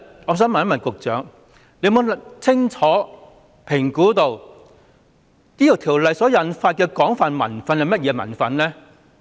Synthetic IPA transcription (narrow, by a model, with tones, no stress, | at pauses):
ŋɔː˨˧s̬œː˨˥mɐ˨˥mɐ˨˩nkʊ˨k̚t͡sœː˨˥ŋ | le˨˧mo˨˧˨t͡sʰɪ˥ŋt͡sʰɔː˨˥ | pʰɪ˨˩ŋkuː˨˥t̪o˨˧w | t̪iː˥jɐ˨wt̪ʰiː˨˩wlɐ˨jsɔː˨˥jɐ˨nfaː˧t̚kɛː˧kɔː˨˥ŋfaː˨˧nmɐ̰˨˩nfɐ˨nhɐ˨jmɐ˥t̚jɛː˨˧mɐ̰˨˩nfɐ˨nlɛː˥